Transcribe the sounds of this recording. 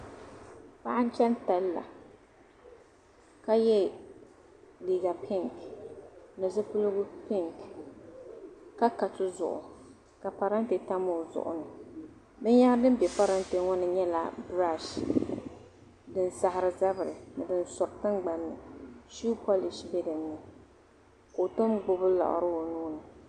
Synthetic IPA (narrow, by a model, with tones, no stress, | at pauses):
pa˦ʔa˦n˦t͡ʃɛ˦nta˨lːa̰˨ | ka˦jɛ˦ | liː˨ɡa˨pʰi˦ŋk | nɨ˨zɨ˦pʊ˦lʊ˦ɡʊ˦pɪ˦ŋk | ka˦ka˨tʊ˦zʊ̰˨ʔʊ̰˨ | ka˨pa˨ɾa˦n˦te˨ta˦mo˨zʊ̰˨ʔʊ̰˨nɨ˨ | bɛ˦ɲa˦ŋ˦dɨ˦m˦bɛ˨pa˦ɾa˦nte˨ŋɔ˦nɨ˨ɲɛ˦la̰˨bɾa˦˨ʃ | dɨ˦n˦sa˨hɪ˨ɾɨ˨za˦bɨ˨ɾɨ˨nɨ˨dɨ˦nsɔ˨ɾtɨ˦ŋɡ͡ba˨nːɨ˨ʃu˦pʰɔ˦li˨ʃbɛ˦dɨ˨nːɨ˨ | ko˨to˦mɡ͡bʊ˦bɨ˦la̰˨ʔʊ̰˨ɾɨ˦o˨nuː˦nɨ˨